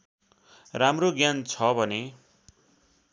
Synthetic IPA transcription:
ramroɡjant͡sʰʌbʱʌne

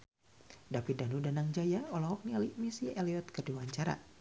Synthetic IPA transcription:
dapidanudanaŋd͡ʒajaɔlɔɦɔk̚nialimisiɛliɔt̪̚kəduwaɲt͡ʃaɾa̰

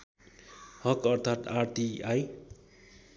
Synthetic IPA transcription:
hʌkʌrt̪ʰat̪arʈ̪iaj

